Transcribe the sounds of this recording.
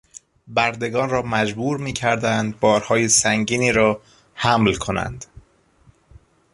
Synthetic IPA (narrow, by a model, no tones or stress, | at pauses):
bæɾd̪e̞ɡɒːnrɒːmæd͡ʒbuːɾmiːcʰæɾd̪ænd̪̚bɒːɾhɒːjesæŋɟiːniːɾɒː | hæmlkʰo̞næ̰nd̪̥